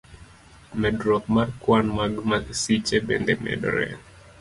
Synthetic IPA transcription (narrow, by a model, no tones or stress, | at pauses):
mɛdɾɔk̚markwanmaɡumasit͡ʃɛbɛ̰ndɛmɛ̰dɔ̰ɾɛ̰n